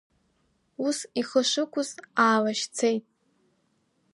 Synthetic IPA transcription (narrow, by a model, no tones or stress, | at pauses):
usiχəʂɨkʷʰʊzaːlaʃt͡sʰejtʼ